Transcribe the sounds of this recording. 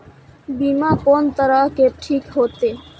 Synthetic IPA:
bimakɔnt̪əɾakeʈʰikɦot̪e

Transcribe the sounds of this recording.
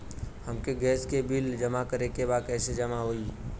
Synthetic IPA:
hɐmkeɡɛːskebɪld͡ʒəmakəɾekebaːd̪kɛːsed͡ʒəmaɦoːiː

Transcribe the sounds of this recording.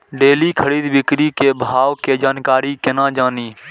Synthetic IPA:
ɖeːliːkʰəɽiːd̪bɪkɾiːkeːbʱaːʋkeːd͡ʒaːnkaːɾiːkɪnãːd͡ʒaːniː

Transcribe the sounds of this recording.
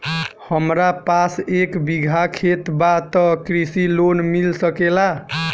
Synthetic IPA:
həmɾapasekbiɡʱakʰet̪bat̪ɔkɾisilonmilsəkela

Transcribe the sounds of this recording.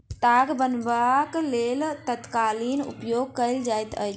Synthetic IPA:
ʈ̪aɡbənbaklelt̪ət̪kalinṵpjoɡ̚kəɪld͡ʒajt̪ə̰j

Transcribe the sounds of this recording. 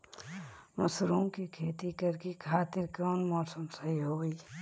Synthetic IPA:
mɐsɾuːmkikʰeːt̪ikɐɾkekʰaːt̪ɪɾkɔːnmɔːsəmsəɦiɦoːiː

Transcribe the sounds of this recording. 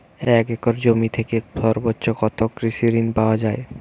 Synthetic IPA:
ɛkɛkoɾd͡ʑomit̪ʰekeʃɔɾbotːɕʰokɔt̪ʰokɾiʃiɾinpaoad͡ʑae

